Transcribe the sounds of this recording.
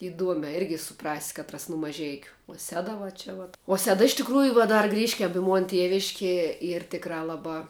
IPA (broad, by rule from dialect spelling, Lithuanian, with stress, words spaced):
ɪˈduɔmʲɛː ˈɪrʲɡʲɪ sʊˈprɑːsʲɪ ˈkɑːtrɐs nʊ mɐˈʒʲɛɪkʲʊ uɔ ˈsʲæːdɐ ʋɐ ˈt͡ʃʲɛ ʋɐt uɔ ˈsʲæːdɐ ɪʃ tʲɪkˈruːjʊ ʋuɔ ˈdɐr ˈɡrʲiːʃʲkʲɛm ɪ ˈmoːn ˈtʲiɛʋʲɪʃʲkʲiɛ ˈiːr ˈtʲɪkrɑː ˈlˠɑːbɑː